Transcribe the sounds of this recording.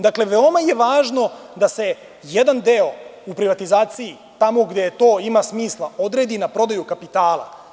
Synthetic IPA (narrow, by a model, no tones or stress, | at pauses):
d̪akle̞ʋeo̞maje̞ʋaːʒno̞d̪ase̞ | jed̪and̪eo̞upɾiʋat̪izaːt̪siji | t̪amo̞ɡd̪et̪o̞ːimasmiːslˠao̞d̪ɾe̞ːd̪inapɾo̞d̪ajukapit̪aːlˠa̰